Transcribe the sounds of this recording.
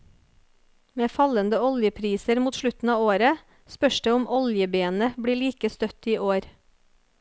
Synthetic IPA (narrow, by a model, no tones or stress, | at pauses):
meːfɑlənd̪əɔljəpʰɾiːsəɾmuːt̪ʃlʉt̪n̩ɑːoːɾə | spœʃɖeːʊmʔɔljəbeːnəbɽiːɭiːkəst̪œt̪iːʔoːɾ